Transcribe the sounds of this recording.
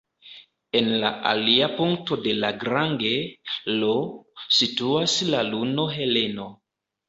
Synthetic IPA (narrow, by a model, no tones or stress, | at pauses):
e̞nla̰ʔa̰liapuŋk̚to̞de̞laɡɾaŋɡe̞lo̞situaslaluno̞ɦe̞le̞no̞